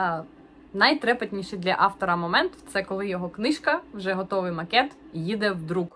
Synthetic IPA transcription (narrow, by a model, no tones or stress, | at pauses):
nɐjt̪ɾɛpɐt̪ʲnʲiʃɪjd̪lʲɐʔɑwt̪ɔɾɐmɔmɛnt̪t̪sɛkɔlˠɪjɔɦɔknɪʃkɐwʒɛɦɔt̪ɔʋɪjmɐkɛt̪jid̪ɛwd̪ɾuk